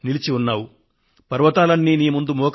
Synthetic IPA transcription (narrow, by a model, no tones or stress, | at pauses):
nilit͡ʃiunːaːwu | pɐɾʋɐt̪aːlɐnːiːniːmund̪umɔːk